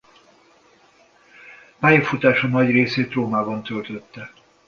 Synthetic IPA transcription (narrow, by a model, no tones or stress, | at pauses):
paːjɒfut̪aːʃɒnɒɟreːseːt̪roːmaːbɒnt̪ølt̪øt̪ːɛ